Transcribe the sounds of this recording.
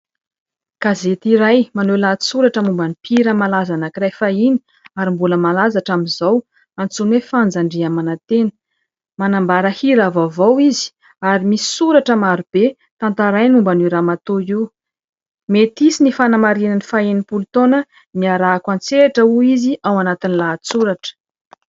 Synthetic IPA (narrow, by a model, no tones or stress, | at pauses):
kazet̪iɾajmanelat͡s̪i̥suɾaʈ͡ʂəmumbanipʰiɾəmalazanəkiɾajfaini̥ | aɾimbuləmalazaʈ͡ʂamizaw | ant͡sunwefand͡zaɳɖ͡ʐiamanat̪enə̥ | manambaɾəhiɾavavowizi̥ | aɾimisi̥suɾaʈ͡ʂəmaɾub̥e | t̪ant̪aɾajnumbaniɾamat̪oi | met̪isinifanamaɾinənifainipult̪onə | miaɾaːkwant͡seʈ͡ʂəuiziʔawanat̪inilat͡suɾaʈ͡ʂə̥